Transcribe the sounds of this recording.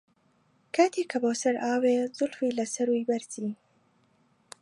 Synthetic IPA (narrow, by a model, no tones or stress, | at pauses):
kʰat̪ʰikʰɐboːsɐɾʔaːweːzʊlfiːlɐsɐɾujbɐɾziː